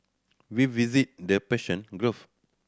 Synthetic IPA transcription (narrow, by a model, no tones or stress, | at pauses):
wivizit̚dəpɛʃə̃nɡɹuf